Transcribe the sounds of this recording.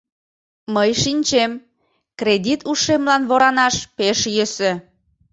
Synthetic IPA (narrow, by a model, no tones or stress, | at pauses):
məjʃinʲt͡ɕem | kɾed̪ʲit̪ʰuʃemlɑnβoɾɑnɑʃpeʃjəse